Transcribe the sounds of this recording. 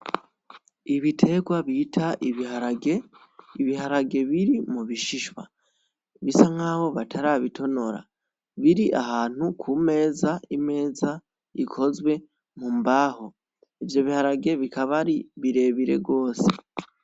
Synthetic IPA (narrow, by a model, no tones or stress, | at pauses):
iβitʰe̞ɡwaβitʰaʔiβiɦaɾaɡe | iβihaɾaɡe̞βiɾimuβiʃiʃwa̰ | βisaŋaːβo̞βatʰaɾaβitʰo̞no̞ɾa̰ | βiɾiʔaɦaːn̥ukʰume̞ːzaime̞ːza | ikʰo̞zwe̞ | mumbaːho̞ | ivjo̞βihaɾaɡe̞βikaβaɾiβiɾe̞βiɾe̞̰ɡo̞ːse